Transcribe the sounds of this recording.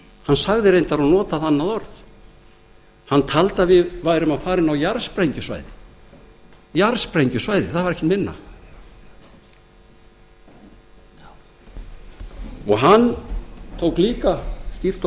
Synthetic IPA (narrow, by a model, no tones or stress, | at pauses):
hansaɣðɪɾejnt̪aɾɔnɔːt̪aðanːaðɔɾθ | hanːt̪ʰalt̪avɪðvaːjɾʏmaðfaːɾɪnawjaɾspɾejɲcʏsva̰ːjðɪ | jaɾspɾejɲcʏsvaːjðɪθaðvaɾɛhcɪt̪mɪnːa̰ | ɔɣɦant̪ʰowkliːkascift̪